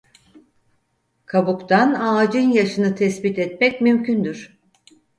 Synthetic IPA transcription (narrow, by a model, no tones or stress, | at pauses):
kʰabukt̪ʰanaːd͡ʒɯnjaʃɯnɯt̪ʰɛsbit̪ʰɛt̪mɛcmymcʰynd̪yɾ̥